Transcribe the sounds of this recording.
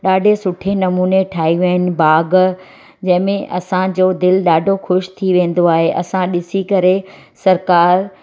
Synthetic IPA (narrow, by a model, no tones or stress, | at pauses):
ɗaːɖʱesʊʈʰenɐmuːneʈʰaːɦiʋɐənɪ̆baːɡ | d͡ʑɐ̃ɦɪ̃mẽʔɐsãd͡ʑoːd̪ɪlɗaːɖʱoxʊʃt̪ʰiʋẽːn̆d̪oaːɦeʔɐsãɗɪsikɐɾe | sɐɾkaːɾ